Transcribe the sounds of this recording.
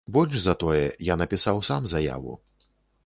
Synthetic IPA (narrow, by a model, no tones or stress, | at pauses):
bɔlʲʐzɐt̪ɔjɛjanɐpʲisawsamzɐja̰vṵ